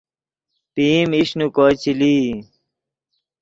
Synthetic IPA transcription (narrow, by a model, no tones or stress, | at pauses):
piːmiɕnukoːt͡ɕiliː